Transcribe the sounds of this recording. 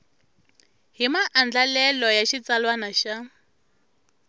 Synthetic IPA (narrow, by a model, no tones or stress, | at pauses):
ɦimaʔand͡ɮalɛlɔjaʃit͡salwanaʃa